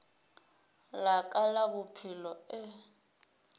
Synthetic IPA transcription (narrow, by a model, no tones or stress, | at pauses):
lakʼalabʊpʰɪlɔɪ